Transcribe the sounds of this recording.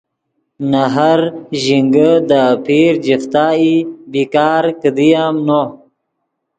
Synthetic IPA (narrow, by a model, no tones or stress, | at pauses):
naɦaɾʑiŋɡəd̪apʰiːɾd͡ʑift̪aːibikaːɾkəd̪ijamno